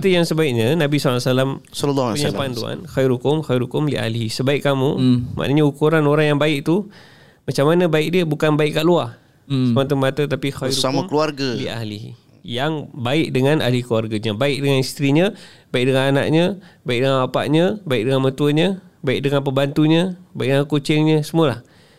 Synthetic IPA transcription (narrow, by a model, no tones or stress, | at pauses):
t̪əjaŋsəbaɪʔ̚ɲənabisɔlːasalamsɔləlːɔpəɲalpandua̰nxajɪɾukʊmxajɪɾhukʊmlia̰hlisəbaɪʔkːamuma̰ʔnəɲəukuɾanoɾaŋjaŋbaɪʔ̚t̪u | mat͡ʃamanəbaɪk̚diəbukanbaɪiʔkːaʔluah | səmat̪̬əmat̪ət̪apixajɪusamãmkluarɡalia̰ɦlih | jaŋbaɪk̚dəŋãna̰hlikluarɡaɲabaɪk̚dəŋanist̪ɾiɲə̃baɪk̚dəŋanana̰ʔɲə̃baɪk̚dəŋanwapa̰ʔɲəbaɪk̚dəŋanmət̪uəɲə̃baɪk̚dəŋanpəmbant̪uɲə̃baik̚dəŋakut͡ʃɪŋɲəsəmuəlah